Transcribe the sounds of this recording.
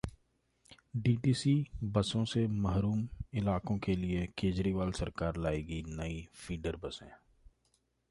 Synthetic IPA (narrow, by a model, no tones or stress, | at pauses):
ɖiːʈiːsibɐsõsemɐɦɾuːmɪlaːkõkeliekeːd͡ʒɾiːʋaːlsɐɾkaːɾlaːeːɡinɐifʰiːɖəɾbɐsḛ̃ː